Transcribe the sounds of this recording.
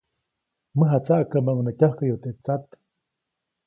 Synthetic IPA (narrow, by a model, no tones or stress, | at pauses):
məɦat͡saʔkamaʔŋnakʲahkajot̪eʔt͡sat̪